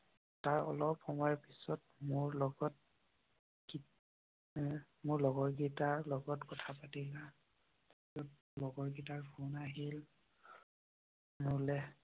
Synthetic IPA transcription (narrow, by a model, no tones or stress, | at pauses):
taɹɔ̰lɔpɔmɔjɔpisɔtmʊɹlɔɡɔt̚ | ɡi | mʊɹlɔɡɔɹɡitaɹlɔɡɔtkɔtʰapatila | izɔt̚ | lɔɡɔɹɡitaɹbʰʱunaɦil | mʊɹlɛ